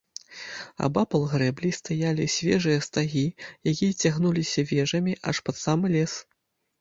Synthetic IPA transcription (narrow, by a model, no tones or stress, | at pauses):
a̰bapɐlˠɣɾɛblʲist̪ajalʲisʲvʲɛ̰ʐɨjɐst̪aɣʲijak̬ʲijɐt͡sʲaɣnulʲisʲɐvʲɛʐɐmʲiʔa̰ʂpɐt̪samɨlʲɛs